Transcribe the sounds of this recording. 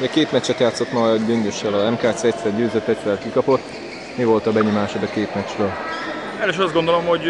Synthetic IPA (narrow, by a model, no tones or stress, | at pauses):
ɛkeːt̪mɛt͡ʃːɛt̪jaːt̪sːo̞t̪mɒɟøŋɡøʃːɛlɒzɛmkaːt̪siɛct̪sɛrɟøːzøt̪ːɛt͡ʃʋɛlkikɒpo̞t̪ː | mivo̞lt̪ɒbɛɲomaːʃod̪ɒkeːt̪mɛt͡ʃrøːl | ɛleʃnɒzdɡo̞nd̪olo̞mho̞ɟ